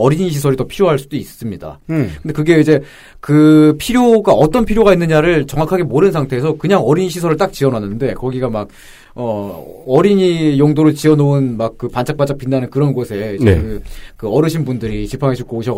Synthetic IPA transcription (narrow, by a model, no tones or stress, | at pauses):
ʌɾiɲiɕʰisʰʌɾitʌpʰiɾjoɦaɭs͈udoiss͈ɯmɲida̰kʰɯɯnde̞kɯɡe̞id͡ʑe̞ | kɯpʰiɾjoɡaʌt͈ʌnpʰiɾjoɡainːɯɲaɾɯɭt͡ɕʌŋakʰaɡe̞moɾɯnsʰaŋtʰeːsʰʌkɯɲaŋʌɾiɲiɕʰisʰʌɾɯɭt͈ak̚t͡ɕiʌnanɯnde̞kʌɡiɡamak̚ | ʌʌɾiɲijoŋdoɾɯɭt͡ɕiʌnounmak̚k͈ɯpant͡ɕʰak̚p͈at͡ɕak̚p͈inːanɯnkɯɾʌnɡosʰe̞id͡ʑḛɯkɯʌɾɯɕʰinbundɯɾit͡ɕipʰaŋɦeɕʰuk͈ooɕʰʌ